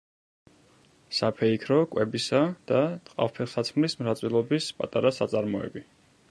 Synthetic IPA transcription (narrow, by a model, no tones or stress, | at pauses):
sapʰɛikʰɾɔkʼwɛbisad̪̥at̪ʼqʼa̰fpʰɛlsat̪sʰmlismɾat̪sʼilˠɔbispʼat̪ʼaɾasat̪sʼaɾmɔɛ̰bi